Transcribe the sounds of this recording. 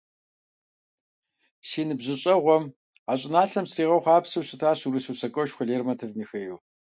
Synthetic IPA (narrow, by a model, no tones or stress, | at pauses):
ʃiːnɨbʑɪɕʼɐʁʷɔm | aːɕʼɪnaːɬɐmsriːʁɐwχʷɑːpsɨwɕɪtʰaːɕuɾɨsusɐkʷʼɔʃχʷʊɮeːrmɐtʰɨvmiːxejuː